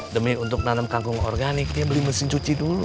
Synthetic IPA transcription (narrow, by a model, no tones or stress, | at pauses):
dəmiunt̪ʊk̚nanəmkaŋɡʊŋɔ̰rɡanɪk̚diabəliməsɪŋt͡ʃut͡ʃidulṵ